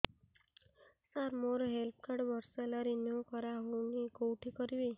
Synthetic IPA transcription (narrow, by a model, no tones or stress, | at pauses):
saɾmoɾɔɦelp̚ʰkaɾɖbɔɾsɔelaɾinjokɔɾaɦoniɡowʈʰikɔɾibe